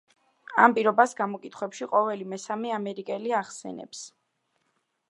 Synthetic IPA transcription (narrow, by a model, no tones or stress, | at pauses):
a̰mpʼiɾɔbasɡamɔkʼit̪ʰχwɛpʃiqʼɔvɛlimɛsamɛamɛɾikʼɛliaχsɛ̰nɛ̰ps